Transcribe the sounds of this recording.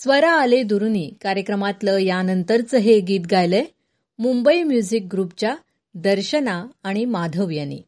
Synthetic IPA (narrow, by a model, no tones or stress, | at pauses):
sʋəɾaːled̪uɾuniːkaɾjəkɾəmat̪ləjanənt̪əɾt͡səɦeɡiːt̪̚ɡajle | mumbəimjud͡zik̚ɡɾupt͡ɕja | d̪əɾɕənãːimad̪ʱəʋjənḭ